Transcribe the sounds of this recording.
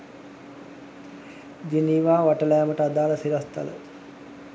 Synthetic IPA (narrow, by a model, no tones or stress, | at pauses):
d͡ʒiniːʋaːʋaʈəlajaməʈəad̪aːləsiɾəst̪a̰lə̰